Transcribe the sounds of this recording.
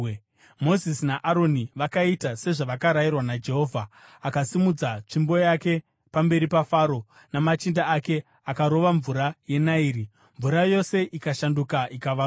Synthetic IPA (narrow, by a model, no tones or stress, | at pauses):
mo̞zisinaʔaɾo̞niʋakaitase̞ʐaʋakaɾajirwanad͡ʒe̞ɦo̞ːvʱaːkasimud͡zat͡ʂimbo̞jake̞ | pambe̞ɾipafaːɾo̞ | namat͡ʃindaːke̞ | akaɾo̞ʋaɱvuɾaje̞naiːri | ɱvuɾajo̞se̞ʔikaʃandukaʔikaʋa